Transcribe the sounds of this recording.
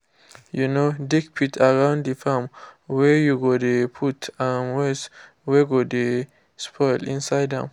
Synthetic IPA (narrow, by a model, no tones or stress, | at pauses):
junodikpʰitʰaɹãw̃nddifɛmwɛjuɡodepʰutʰãnwɛs | wɛɡode | spʰɔjlḭ̃nsajdɛ̰̃m